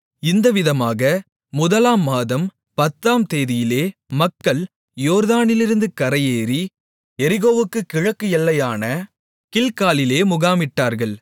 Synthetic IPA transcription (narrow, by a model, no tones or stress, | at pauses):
ɪnd̪ɐʋɪðɐmaːɣɐ | mʊðɐlaːmːaːðɐm | pɐt̪ːaːmt̪eːðɪjɪleːmɐkːɐɭ | joːɾðaːnɪlɪɾɯnd̪ɯkɐɾɐjeːɾi | ɛɾɪɣoːʋɯkːɯkɪɻɐkːɯɛlːɐjaːnɐ | kɪlkaːlɪleːmʊɣaːmɪʈːaːɾɣɐɭ